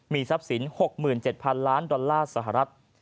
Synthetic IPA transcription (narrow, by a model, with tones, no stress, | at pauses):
miː˧sa˦˥p̚si˩˦nho˨˩k̚mɯː˨˩nt͡ɕe˨˩t̪̚pʰa˧nlaː˦˥ndɔ˧lːaː˥˩sa˧˩ɦa˨ɾa˦˥t̪̚